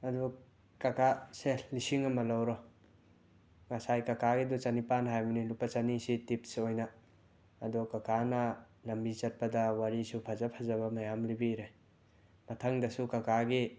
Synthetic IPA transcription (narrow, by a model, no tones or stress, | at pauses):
ɐdu | kakaselisiŋɐmɐlɐwɾɔ | ŋasajkɐkaɡidut͡ʃanipanɦajbunilupːɐt͡ʃanisitip̚sojnɐː | dukɐkʰanɐ | lɐmbit͡ʃɐt̚pɐdɐwaɾisupʰɐzɐpʰɐzɐβɐmɐjamlibiɾej | mɐtʰɐŋdɐsukɐkaɡi